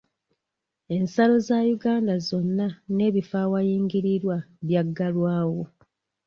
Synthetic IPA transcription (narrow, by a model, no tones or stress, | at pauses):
e̞nsalo̞zajuɡaːndazo̞nːane̞ːβifaːwajiːŋɡiɾiɾwaβjaɡːalwaːwo